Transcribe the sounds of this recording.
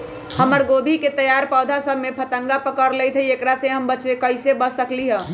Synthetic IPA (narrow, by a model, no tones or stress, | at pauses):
həməɾɡobʱiket̪əjaɾpawd̪ʱasəbʱmepʰət̪əŋɡapəkəɾləjt̪ʰəiekɾasẽɦəmbət͡ʃekəɪsebəsəkliɦə̃